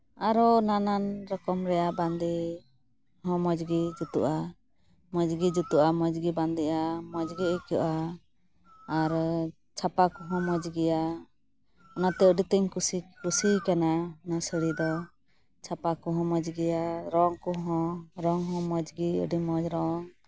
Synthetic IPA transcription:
aɾɔnananɾɔkɔmɾɛjaband̪i | hɔ̃mɔd͡ʒɡid͡ʒut̪uʔa | mɔd͡ʒɡid͡ʒut̪uʔamɔd͡ʒɡiband̪iʔamɔd͡ʒɡiəkuʔa | ɾ | t͡ʃʰapakuɦɔ̃mɔd͡ʒɡija | ɔnat̪ɛəɖit̪ɛɲkusikusikananasəɽid̪ɔ | t͡ʃʰapakuɦɔ̃mɔd͡ʒɡijaɾɔŋkuɦɔ̃ɾɔŋɦɔ̃mɔd͡ʒɡiə̰ɖimɔd͡ʒɾɔŋ

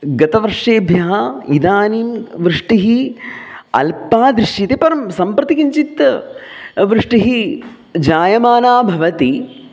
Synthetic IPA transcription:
ɡɐt̪ɐʋɐɾʂeːbʱjɐɦɐid̪aːniːmʋɾɨʂʈiɦi | ɐ̰lpaːd̪ɾiʂjit̪epɐɾɐmsɐmpɾɐt̪ikiɲt͡ʃit̪ | ʋɾɨʂʈiɦi | d͡ʒaːjɐmaːnaːbʱɐʋɐt̪i

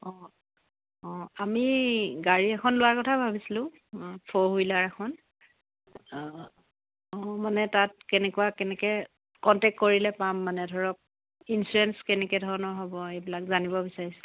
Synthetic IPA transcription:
ɔ̃ | ɔ̃amiɡaɹiɛkʰɔnlʊwaɹkɔtʰabʱabisilʊ̃ | pʰɔɦojlaɹɛxʰɔn | ɔmanɛtat̚kɛnɛkuwakɛnɛkɛ | kɔntɛk̚tkoɹilɛpamːanɛdʱɔɹɔk̚ | insuɹɛnskɛnɛkɛdʱɔɹɔnɔɹɦɔbɔejbilakzanibɔbisaɹisɛ̥

